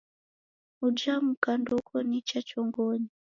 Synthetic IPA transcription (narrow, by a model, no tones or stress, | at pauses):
ud͡ʒamukandɔkʰɔnit͡ʃat͡ʃɔŋɡɔɲi